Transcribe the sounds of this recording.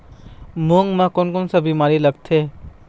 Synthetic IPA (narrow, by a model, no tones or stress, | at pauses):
muŋmakonkɔnsɐbimaɾilɐk̚t̪ʰe